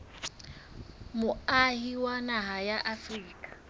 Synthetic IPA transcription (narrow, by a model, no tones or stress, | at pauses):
mʊahiwanaɦajaʔafriːkʼḁ